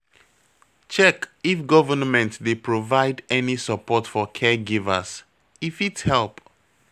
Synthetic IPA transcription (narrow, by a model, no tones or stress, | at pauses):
t͡ʃɛkifɡɔvənmɛ̃ntdepʰɹovaɪdɛnisəpʰɔtfɔkʰɛɡivə̰s | ifithɛlˠp